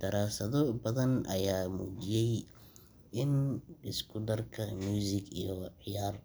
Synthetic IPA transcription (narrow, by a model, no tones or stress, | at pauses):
d̪̥ɐɾaːsɐðɔbɐðɐnʔɐ̰jaːmṵːt͡ʃɪjɛj | ɪnɪskʰʊd̪ɐrkʰɐmjuːsɪɡḭjɔʕɪjaːr